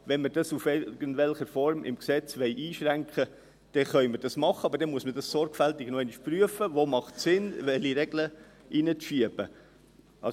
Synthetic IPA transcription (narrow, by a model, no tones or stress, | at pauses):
ʋɛnməd̥ɑsufɛɡəndʋɛlχəfɔɾmʔɪ̰mksɛt͡sʋɛɪʔiːʃɾæŋkχə | d̥ɛχœʏməd̥ɑsmɑχəɑbəɾd̥ɛmuəsməd̥ɑssɔɾɡfæltɪɡ̥nɔɛɪniʃpryəfəvoːmɑχtsɪnʋɛliɾɛɡlə | ʔinət͡sʃiəb̥ə | ʔɑ